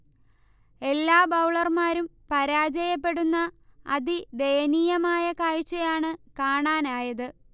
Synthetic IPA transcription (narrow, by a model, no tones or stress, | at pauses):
e̞lːaːbɐwɭɐrmaːɾumpɐɾaːd͡ʑɐjɐpːe̞ɽunːɐɐðid̪ejɐniːjɐmaːjɐkaːɻt͡ɕːɐjaːɳɨkaːɳaːnaːjɐðɨ